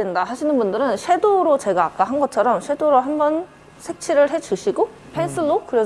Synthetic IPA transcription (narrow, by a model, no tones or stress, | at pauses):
endasaɕʰinɯnbundɯɾɯnɕʰwe̞doɾot͡ɕe̞ɡaːk͈aɦanɡʌt͡ɕʰʌɾʌmɕʰwe̞doɾoɦambʌn | sʰe̞k̚t͡ɕʰiɾɯɭɦe̞d͡ʑuɕʰiɡo | pʰens͈ʰɯɭːokɯɾe